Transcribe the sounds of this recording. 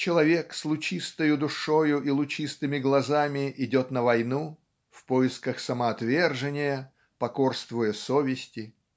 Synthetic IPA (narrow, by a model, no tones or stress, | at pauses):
t͡ɕɪlˠɐvʲekslˠʊt͡ɕist̪əjʊd̪ʊʂojʊʔilˠʊt͡ɕist̪ɨmʲɪɡlˠɐzamʲɪʔɪdʲo̞t̪nəvɐjnu | fpojɪskəxsəməɐt̪vʲerʐɨnʲɪjə | pɐkorst̪vʊjəsovʲɪsʲtʲɪ